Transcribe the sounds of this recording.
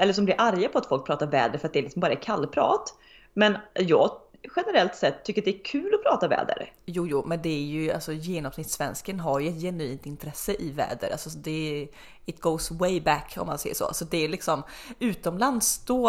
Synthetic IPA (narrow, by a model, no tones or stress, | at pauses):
ʔɛlːəʂɔmblɪɾʔaɾjapʰɔat̪fɔlk̚pʰɾɑːt̪aɾvɛ̰ːd̪əɾfœɾat̪d̪ɛɾlɪksɔmbɑːɾaɛkʰalːpʰɾɑ̰ːt̪ | mɛnjɑːɡɧɛnəɾɛlt̪sɛt̪ʰːʏkːɾatd̪ɛækʰʉ̟ːlɔpʰɾɑːt̪avɛ̰ːd̪ə̰ɾjuːjuːmɛnd̪ɛæɾjɵa̰lsɔjeːnɔmsnɪt̪svɛnskənɦaɾjɵɛt̪jɛnʉiːnt̪ɪnt̪ʰɾɛsːəʔɪvɛ̰ːd̪ə̰ɾʔa̰lsɔd̪ɛ | ɪt̪̚ɡ̥oːsweɪbækʰːɔ̰mːansɛjːə̰ʂɔ̰ːa̰sɔd̪ɛːlɪksɔmʉ̟ːt̪ɔmland̪sd̪ɔ